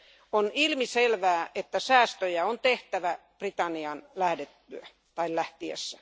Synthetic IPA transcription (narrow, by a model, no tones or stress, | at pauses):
onilmiselʋæːʔet̪ːæsæːst̪øjæont̪eht̪æʋæ | b̥rit̪ɑnːiɑnlæhdet̪ːyæ | t̪ɑillæht̪iḛsːæ̥